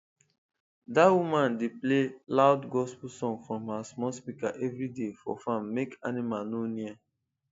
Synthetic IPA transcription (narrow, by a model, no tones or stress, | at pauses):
dawumãndeplelaʊdɡɔspusɔ̃ŋfɹɔ̃mhasmɔspikaʔɛvɾidefɔ̰fãmːekanimalnonia